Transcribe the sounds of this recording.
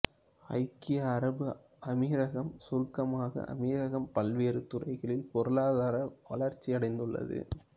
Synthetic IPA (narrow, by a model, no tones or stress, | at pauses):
ɐ̰ɪkːɪjaːɾɐbɯ | ɐmiːɾɐɣɐmsʊɾkːɐmaːɣɐ̰ʔɐ̰miːɾɐɣɐmpɐlʋeːɾɯt̪ʊrɐɪɣɐɭɪlpɔɾɯlaːðaːɾɐʋɐ̰lɐɾt͡ʃːiɐɽɐɪnd̪ɯɭːɐ̰ðɯ̰